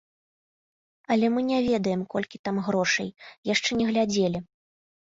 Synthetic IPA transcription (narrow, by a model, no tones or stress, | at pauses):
ɐlʲɛmɨnʲɛvʲɛd̪ɐjɛmkɔlʲkʲit̪amɣɾɔʂɐ̰jjaʂt͡ʂɛnʲɛɣlʲad͡zʲelʲi